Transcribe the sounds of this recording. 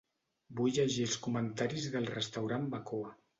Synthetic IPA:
bujʎəʒiəlˠskumənt̪aɾizðəlˠrəst̪awɾambakoa

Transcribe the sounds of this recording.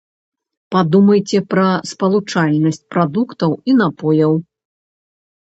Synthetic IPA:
pad̪umɐjt͡sʲɛpɾɐspɐlˠut͡ʂalʲnɐsʲt͡sʲpɾad̪ukt̪ɐwin̪apɔjɐw

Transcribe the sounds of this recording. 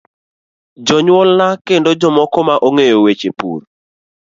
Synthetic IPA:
d͡ʒɔɲwɔlnakendɔd͡ʒɔmɔkɔmaʔoŋejowet͡ʃepṵɾ

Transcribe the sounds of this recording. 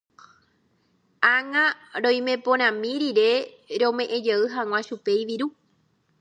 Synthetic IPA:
aŋãɾõ̞j̃mẽ̞põɾ̃ãmĩɾiɾe̞ | ɾõmẽ̞ʔẽ̞d͡ʒeɨɦãŋʷãʃupejʋiɾu

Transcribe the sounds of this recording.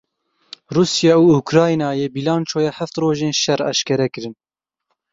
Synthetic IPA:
ruːsjɑːuːukɾɑːjnɑːjeːbilɑːnt͡ʃʰoːjɛhæft̪roːʒeːnʃɛrɑ̰ʃkɛɾɛkɨɾɨn

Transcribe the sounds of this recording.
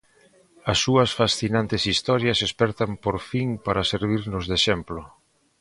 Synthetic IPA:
ɐsːuɐsfasθinãnt̪ɪsist̪ɔɾjasespɛɾt̪ampoɾfiŋpaɾaseɾβ̞iɾnʊzðeʃɛmplʊ

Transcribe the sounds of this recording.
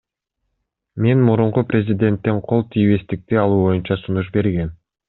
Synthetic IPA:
me̞nmuɾuɴquprʲezʲɪd̪ʲe̞nt̪ːenqʰo̞lˠt̪ʰijβe̞st̪ik̚t̪iɑlˠuːβo̞junt͡ʃɑsunuʃ̬be̞ɾɡe̞n

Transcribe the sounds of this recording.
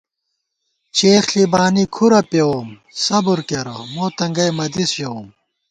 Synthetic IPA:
t͡ɕeːxlibaːnikʰuɾɐpewoːm | sɐbuɾkeɾɐ̰moːt̪ɐŋɡɐjmɐd̪isjɐwoːm

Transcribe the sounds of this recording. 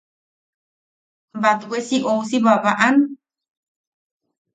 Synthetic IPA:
bat̪wʷesiʔowsiβaβaʔan

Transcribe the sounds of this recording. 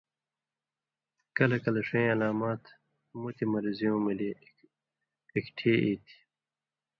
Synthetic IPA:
kɐlɐkɐlɐʂɐj̃ɐlaːmaːt̪ | mut̪ʰimɐɾizijõːmili | ikʈʰeːʔiːt̪ʰi̥

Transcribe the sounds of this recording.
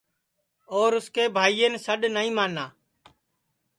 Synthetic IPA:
oːɾʊskeːbʱaːiːeːnsəɗnəĩːmaːnaː

